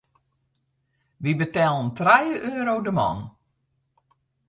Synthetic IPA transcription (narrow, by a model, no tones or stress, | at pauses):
ʋibətɛːlˠəntrajəʔøːɾowdəmɔ̰n